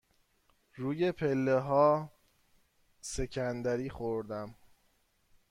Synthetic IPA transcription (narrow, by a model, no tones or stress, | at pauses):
ɾuːje̞pʰelːeɦɒː | se̞cʰænd̪æɾiːxoɾd̪æm